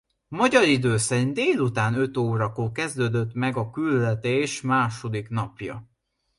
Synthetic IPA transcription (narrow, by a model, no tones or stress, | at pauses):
mɒɟɒɾid̪øːsɛɲd̪eːlut̪aːnø̞t̪oːɾɒkoːkɛzd̪øːd̪ø̞t̪mɛɡɒkylːɛt̪eːʃmaːʃo̞d̪ikn̪ɒpjɒ̰